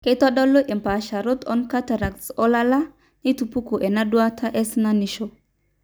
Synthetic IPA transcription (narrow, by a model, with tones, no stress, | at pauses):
ke˦tɔ˦ɗɔ˦lo˦ʔe˨mpa˨ʃa˨ɾo˦t̪ɔ̰˦nka˦ta˨ɾa˨k̚so˦la˦la˦ | ni˦tu˨pu˦ku˨ʔe˨na˦dwa˦tʰa˦ʔɛ˦sna˦ni˨ʃo˨